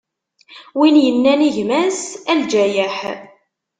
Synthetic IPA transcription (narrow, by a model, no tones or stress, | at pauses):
winjənːæniʝmæsæld͡ʒæjəħ